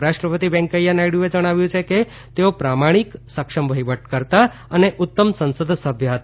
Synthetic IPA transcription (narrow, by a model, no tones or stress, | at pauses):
ɾaʃʈɾəpət̪ibɛ̃ŋkəjanaiɽjued͡ʒəɽ̃aʋjũt͡ʃʰeke | t̪eopɾamaɽ̃iksəkʂəmbʱəiʋəʈkəɾt̪a | əneʔʊt̪ːəmsənsəd̪ʱsəbʱjəɦət̪